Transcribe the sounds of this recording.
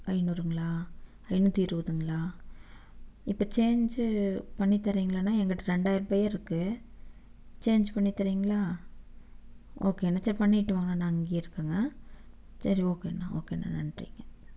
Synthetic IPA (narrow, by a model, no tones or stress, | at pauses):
ɐɪnuɾɯŋɡɐɭaː | ɐɪnɯt̪iːɾɯʋɐðɯŋɡɐɭaː | ɪpːɐt͡ʃeːɲd͡ʒɯpɐɳːit̪ːɐɾɐiŋɡɐɭaːnãːɛŋɡɐʈːɯɾɛɳɖaːjɪɾɯpɐjɐɾɪɾɯkːɯ | t͡ʃeːɲd͡ʒpɐɳːit̪ːɐɾɐiŋɡɐɭaː | oːkeːnːasɐɾipɐɳːɪʈːɯʋaːŋɡɐnãːnãːɐŋɡeːɪɾɯkːaːŋɡɐ | sɐɾioːkeːnːa̰ːo̰ːkeːnːa̰ːnɐ̰nrḭːŋɡɐ